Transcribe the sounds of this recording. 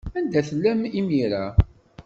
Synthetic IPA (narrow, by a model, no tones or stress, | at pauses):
ænd̪æθəlːæmimiɾa